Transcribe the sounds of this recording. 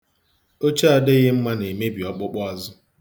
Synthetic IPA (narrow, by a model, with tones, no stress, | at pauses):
o˦t͡ʃa˦a˦dɪ˦ɣɪ˦m̩˦ma˦ne˨me˦bi˨ɔ˦k͡pʊ˦k͡pɔ˦a˦zʊ˦